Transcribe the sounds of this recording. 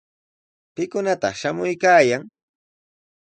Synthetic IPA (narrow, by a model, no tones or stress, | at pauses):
pɪkʊnat̪ɑ̰χʃamʊjkaːjaŋ